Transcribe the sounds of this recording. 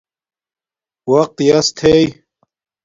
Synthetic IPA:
wɐq̚t̪jɐst̪ʰej

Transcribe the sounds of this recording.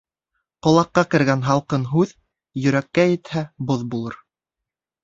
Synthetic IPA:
qŏlˠɑqːɑkɘ̆ɾɡænɦɑlˠqɤnɦʉð | jɵ̆ɾækːæjɘ̆t̪hæboðbulˠɤɾ

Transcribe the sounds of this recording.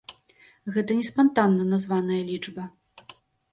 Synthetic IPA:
ɣɛt̪ɐnʲɛspant̪anːɐnazvanɐjɐlʲit͡ʂbɐ

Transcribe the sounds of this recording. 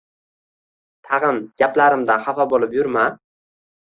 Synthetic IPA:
t̪ʰɑʁɨnɡ̥ʲaplaɾɪmd̪anχafabolˠɪpjʊɾma

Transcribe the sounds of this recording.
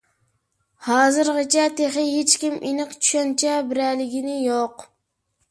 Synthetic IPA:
hɑːzɨɾʁɨt͡ʃʰɛt̪ʰeχɪhet͡ʃkʲimʔinɨqt͡ʃʰy̥ʃɛnt͡ʃʰɛbɪɾælɪɡʲɪnɪjoq

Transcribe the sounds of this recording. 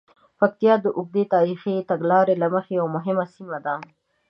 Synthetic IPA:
fak̚t̪ijɑd̪əʔʊɡ̚d̪et̪ɑɾixit̪aɡlɑɾelaməxejawmʊɦɪmasimad̪a

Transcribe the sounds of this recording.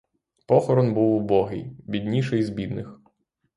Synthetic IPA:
pɔxɔɾɔnbuwubɔɦɪ̰jbʲid̪ʲnʲiʃɛjzbʲid̪nɪx

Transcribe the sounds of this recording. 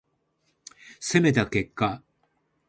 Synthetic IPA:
seme̞t̪ake̞kːa

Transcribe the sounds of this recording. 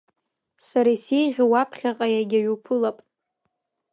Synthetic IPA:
saɾaisejʁʲawapʰχʲaqʼajaɡʲaɥupʰɨlapʼ

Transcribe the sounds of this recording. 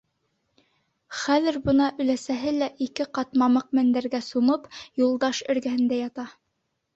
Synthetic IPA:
χæðɘ̆ɾbɤ̆nɑʔɵ̆læsæɦɘlæʔikɘqɑt̪mɑmɤq̚mænd̪æɾɡæsumɤpjulˠd̪ɑʃɵ̆ɾɡæhɘ̆nd̪æjɑt̪ɑ

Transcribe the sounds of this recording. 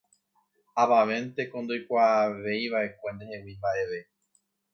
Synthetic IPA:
aʋaʋẽ̞nt̪e̞kõ̞nd̪o̞jkʷaːʋe̞jβaʔe̞kʷe̞nd̪ehewimbaʔe̞ʋe̞

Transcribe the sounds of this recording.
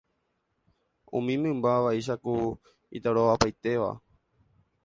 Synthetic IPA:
ṵ̃mĩmɨ̃mbaʋaiʃ̬aku | ḭt̪aɾoʋapajt̪e̞ʋa̰

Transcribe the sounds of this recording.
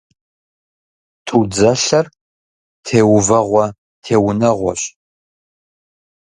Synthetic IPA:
tʰud͡zɐɬɐr | tʰeːwvɐʁʷɔ | tʰeːwʊnɐʁʷɔ̰ɕ

